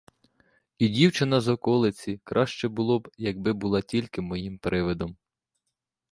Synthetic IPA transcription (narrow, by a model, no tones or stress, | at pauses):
idʲiwt͡ʃɪnɐzɔkɔlˠɪt͡sʲikɾʔɑʃt͡ʃɛbʊlˠɔbjɐɡ̚bɪbʊlˠɑtʲilʲkɪmɔjimpɾɪʋɪd̪ɔm